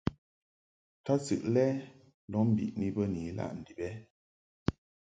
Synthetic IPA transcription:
ta˦sɨ̰˨ʔlɛ˦ | lɔ˨˦m̩˨bḭ˨ʔni˦bə˦ni˨˦la̰˦ʔn̩˨di˨bɛ˦

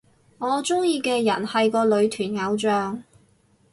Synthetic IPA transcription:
ŋɔː˨˧t͡sʊ˥ŋjiː˧kɛː˧jɐ̰˨˩nhɐ˨jkɔː˧lɵ˨˧ɥt̪ʰyː˨˩nŋɐ˨˧wt͡ʃœː˨˧ŋ

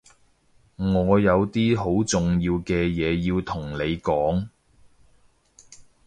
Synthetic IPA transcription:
ŋɔː˨˧jɐ˨˧wt̪iː˥ɦo˨˥wt͡sʊ˨ŋjiː˧wkɛː˧jɛː˨˧jiː˧wt̪ʰʊ˨˩ŋne˨˧jkɔː˨˥ŋ

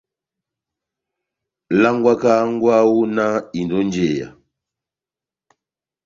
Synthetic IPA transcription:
la˦ŋɡwa˦ka˦ŋ˦ɡwa˦wu˦na˦i˨ndɔ˦nd͡ʒɛ˨ja̰˨

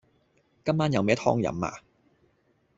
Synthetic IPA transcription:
kɐ˥mːaː˥njɐ˨wmɛː˥t̪ʰɔ̰ː˥ŋjɐ̰˨˥mːa̰ː˨˧

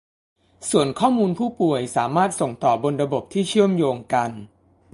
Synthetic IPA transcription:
su˨˩ənkʰɔː˥˩muː˧npʰuː˥˩pu˨˩əjsaː˩˦maː˥˩t̪̚so˨˩ŋt̪ɔː˨˩bo˧nɾa˧bo˨˩p̚t̪ʰiː˥˩t͡ɕʰɯ˥˩əmjoː˧ŋka˧n

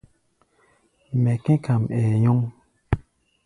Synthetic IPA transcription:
mɛ˨kɛ̃˦ka˨mɛː˨jɔ˦ŋ

